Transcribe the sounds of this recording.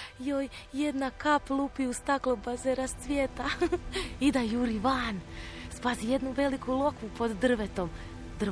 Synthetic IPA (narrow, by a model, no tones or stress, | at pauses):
joj | je̞d̪nakaplˠupiust̪aklˠobazeɾast̪sʋjeːt̪a | id̪ajuɾiʋan | spazije̞d̪nuʋe̞likulˠo̞kʋupo̞d̪ːr̩ʋet̪o̞m | d̪r